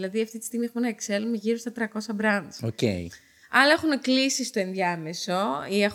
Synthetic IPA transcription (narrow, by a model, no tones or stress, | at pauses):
lɐðiɐft̪it̪i̥st̪iɣmiexumenɐekselumeʝiɾo̞st̪ɐt̪ɾɐko̞sɐbɾɐnd̪ocḛj | ɐlɐexuneklisist̪o̞e̞nðjɐme̞so̞iex